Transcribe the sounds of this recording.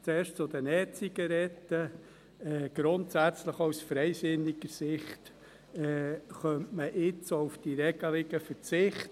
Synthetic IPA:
t͡sɛːɾʃt͡sʊd̪ənɛt͡siɡ̥əɾɛtːə | ɛɡ̥ɾʊntsæt͡sləχowsfɾɛɪsɪnɪɡəɾsɪχt | ɛːχœmtməʔɪt͡soufd̥iɾɛɡəlɪɡəfəɾt͡sɪχt

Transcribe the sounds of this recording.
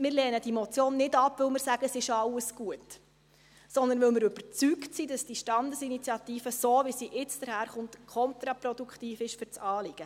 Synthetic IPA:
mɪːɾlɛːnədimɔt͡sjoːnːɪdɑpːʋɪlmɪɾsæɡ̥əsɪʃɑləsɡ̥uət | sɔnd̪ənʋɪlmɪɾɵb̥əɾt͡syktsiːd̥ɑsd̥iʃtɑndəsinit͡sjɑt̪iːfəsoːʋisiʔɪt͡sd̥əɾhæːɾχʊntkʰɔnt̪ɾɑpɾɔdukχtiːfɪʃfʏɾt͡sɑːlɪɡ̥ə

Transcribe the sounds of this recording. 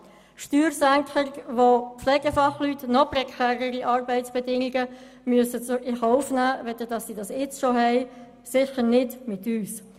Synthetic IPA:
ʃtyːɾsæŋkχəɾʋopflɛːɡ̥əfɑχlytnɔprɛkʰɛːʁəɾiʔɑːɾbɛɪtsb̥ɛdɪŋɪɡə | myəsət͡sʊʔɪχɔʊfnæːʋɛd̪ədɑssidɑsɪt͡sʃohɛɪ | sɪçəɾnɪdmɪtyːs

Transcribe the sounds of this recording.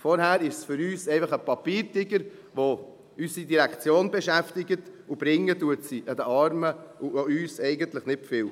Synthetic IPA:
fɔɾɦæːɾɪʃsfʏɾyːsɛɪfɑχəpɑpiːɾtɪɡəɾʋo | ysidiɾækt͡sjoːnbɛʃæftɪɡətub̥ɾɪŋːətuətsiʔəd̥̪əɑɾməʊoyːsɛɪɡənt̪ləχnɪtfɪːl

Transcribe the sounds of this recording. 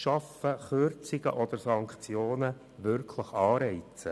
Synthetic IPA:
ʃɑfəχøɾt͡sɪɡ̥ə̰ʔɔd̪̥əɾsɑŋkt͡sjoːnə | ʋʏɾkʰləχɑːɾɛɪt͡sə

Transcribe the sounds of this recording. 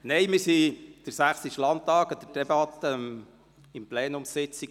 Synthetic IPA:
nejmɪɾsid̥əɾsæχsiʃlɑntːɑːkɑd̥̪əd̥ɛbɑt̪ːə | ɪmpleːnʊmsɪt͡si

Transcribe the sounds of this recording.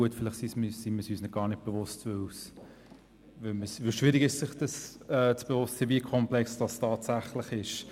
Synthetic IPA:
uətfɪlɪχsismsiməsyːsnɪt̚ɡ̥ɑːɾnɪd̚b̥ɛvʊstvʏws | vɪlməsvɪlʃvɪɾiɡɪʃsɪχd̥əsɛːt͡sb̥ɛvʊstsiːviəkʰɔmplɛksd̥ɑstʰɑːtsæχlɪχɪʃ

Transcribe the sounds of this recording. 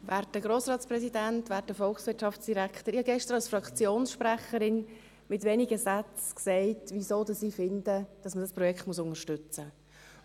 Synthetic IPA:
vɛːɾt̚d̥əɡɾoːsɾɑːtt͡spɾɛsidɛntvɛːɾt̚ːəfɔlksʋɪtʃɑfsd̥iɾækχtəɾihɑɡɛʃtəɾɑlsfɾɑkt͡sjoːnsʃpɾæχəɾɪn | mɪtʋɛniɡəsɛt͡sksɛɪtʋisoːdəsiːfɪndəd̥ɑsmədɑspɾɔjɛkχtmusʊnəʃtʏt͡sə

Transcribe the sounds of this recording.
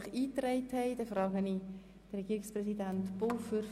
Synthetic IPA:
χiːtrɛɪthɛɪd̥ɛfɾɑːɡəni | d̥ərɛɡiːɾɪksprɛsidæntb̥ofyɾ

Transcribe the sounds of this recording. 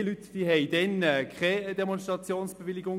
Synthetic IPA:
lyt̪v̥iɦɛɪdɛnɛkʰχɛd̥̪ɛmɔns̬tʁɑt͡sjoːnsb̥evɪliɡʊŋ

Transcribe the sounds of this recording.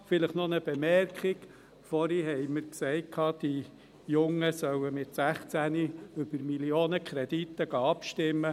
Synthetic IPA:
fɪləχnɔnəb̥ɛmɛrkχiɡ | fɔɾiɦɛɪməɾksɛɪt̚kʰɑːd̥i | jʊŋːəsœwəmɪt̪sæχt͡sæniʏb̥əɾmilioːnəkʰχɾɛd̪it̪ːəɡ̥ɑːɑpʃtɪmːə

